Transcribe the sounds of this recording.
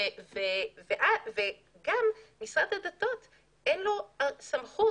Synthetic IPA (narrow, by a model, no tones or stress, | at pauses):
veveʔave | ɡammisʁad̪had̪at̪ot̪ | ʔenloasamχu